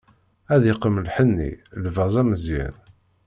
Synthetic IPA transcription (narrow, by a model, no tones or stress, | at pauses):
æðiqəməlħənːḭlvæzˤæməzjæ̰n